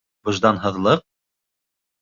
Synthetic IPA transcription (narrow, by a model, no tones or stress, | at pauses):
b̥ɤ̆ʒd̪ɑnɦɤ̆ðlˠɤq̚